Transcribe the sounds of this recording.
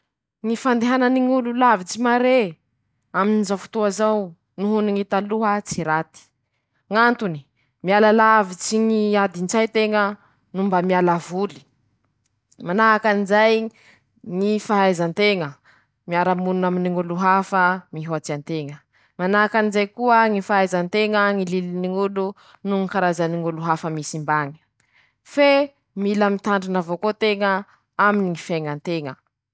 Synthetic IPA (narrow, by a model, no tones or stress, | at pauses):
ŋifand̪eɦanəniŋululavit͡simaɾe | aminizawfu̥t̪uazaw | nuɦuniŋit̪aluɦət͡siɾat̪i̥ | ŋant̪uni̥ | mialalavit͡siŋiad̪int͡sajt̪eŋə | numbamialavuli̥ | manaakanizaj | ŋifaɦajzant̪eŋə | miaɾamununaminiŋuluɦafəmiɦoat͡siant̪eŋə | manaɦakanizajkuəŋifaɦajzant̪eŋəŋililiniŋulu | nuŋikaɾazaniŋuluɦafəmisimbaɲi̥ | fe | milamit̪aɳɖ͡ʐinavokot̪eŋə | aminiŋifaŋant̪eŋə